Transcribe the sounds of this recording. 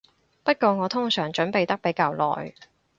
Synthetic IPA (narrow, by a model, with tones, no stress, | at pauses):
pɐ˥t̚kɔː˧ŋɔː˨˧t̪ʰʊ˥ŋsœː˨˩ŋt͡ʃɵ˨˥npe˨jt̪ɐ˥k̚pe˨˥jkaː˧wlɔ̰ː˨j